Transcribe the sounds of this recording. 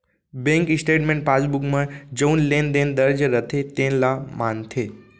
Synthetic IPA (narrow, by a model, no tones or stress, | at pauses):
bẽŋkɪsʈeːʈmẽɳʈ̚pasbukmə̃d͡ʒəunlẽnd̪ẽnd̪əɾd͡ʒɾət̪ʰet̪ẽlamant̪ʰeː